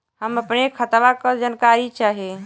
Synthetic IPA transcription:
həməpnekʰət̪ʋakəd͡ʒənkaːɾit͡ʃaːɦe

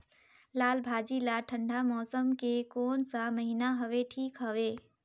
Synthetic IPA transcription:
laːlbʱaːd͡ʒilaʈʰə̃ɳɖʱamɔːsəmkekɔːnsamɐɦinaɦɐʋeʈʰiːkɦəʋeː

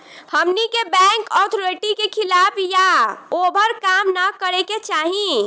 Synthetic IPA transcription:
həmnikebɛ̃ŋkɔːt̪ʰoɾeʈikekʰɪlaːpjaoːbʱəɾkaːmnəkəɾeket͡ʃaːɦĩ

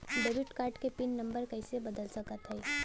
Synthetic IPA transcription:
ɖeːbɪʈkaːɾʈkepinːɐ̃mbəɾkɐɪsebɐd̪əlsɐkət̪ɦɛ

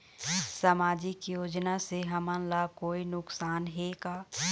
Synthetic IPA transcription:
samaːd͡ʒɪkjoːd͡ʒnaseɦɐmənlakoːinʊksaːnɦekaː

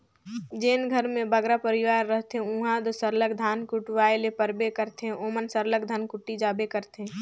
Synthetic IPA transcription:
d͡ʒeːnɡʱəɾmẽbəɡɾapəɾɪʋaːɾːəɦt̪ẽũɦãd̪osəɾləkd̪ʱaːnkʊʈwaːelepəɾbekəɾt̪ẽoːmənsəɾləkd̪ʱankʊʈːid͡ʒaːbekəɾt̪ẽ

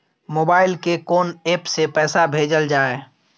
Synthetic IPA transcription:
moːbaːɪlkekoːneːpsepɛːsabʱeːd͡ʒəld͡ʒaːe

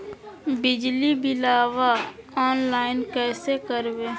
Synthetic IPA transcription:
bɪd͡ʒlibɪlaːʋaɔːnlaːɪnkɛːsekəɾʋeː

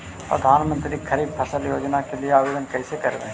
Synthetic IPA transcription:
pɾə̰d̪ʱaːnmə̃nt̪ɾikʰəɾiːb̚pʰəsəljoːd͡ʒnakelɪeaːʋeːd̪ənkɛːsekəɾʋẽː

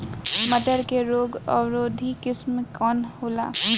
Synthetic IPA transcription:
məʈəɾkeɾoːɡə̰ʋɾoːd̪ʱikɪsmkɔːnhoːla̰ː

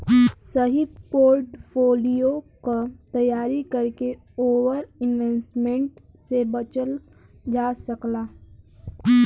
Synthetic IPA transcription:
sɐɦɪpkoːɾʈpʰoːlijokot̪ɐjaːɾikɐɾke | oːwəɾɪnʋesmẽɳʈ | sebɐt͡ʃəl | d͡ʒaːsɐklaː

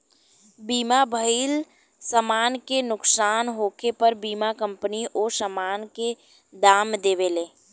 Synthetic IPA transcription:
biːmabʱəil | səmaːnkenʊksaːnɦoːkʰepəɾbiːmakə̃mpniʔoːsəmaːnke | d̪aːmd̪eːʋeleː

